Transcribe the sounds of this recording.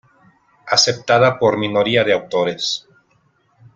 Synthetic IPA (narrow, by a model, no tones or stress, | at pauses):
ase̞p̚t̪aðapo̞ɾmino̞ɾiaðeawt̪o̞ɾe̞s